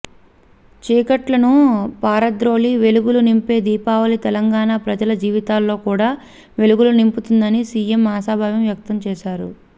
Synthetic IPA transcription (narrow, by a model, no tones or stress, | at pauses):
t͡ʃiːkɐʈlɐnupaːɾɐd̪ɾo̞ːliʋe̞luɡulunimpe̞ːd̪iːpaːʋɐlit̪ɛlɐŋɡaːnaːpɾɐd͡ʒɐlɐd͡ʒiːʋit̪aːlːo̞ːkuːɽaː | ʋe̞luɡulunimput̪und̪ɐnisiːjemːaːsaːbʱaːʋɐmʋjɐk̚t̪ɐmt͡ʃɛːʃaːɾṵ